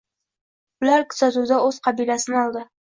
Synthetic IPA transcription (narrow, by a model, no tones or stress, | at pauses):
ʊlaɾkʰʊ̥sat̪uwd̪aɵz̥qʰɑbijlasɪnɪɒlˠd̪ɪ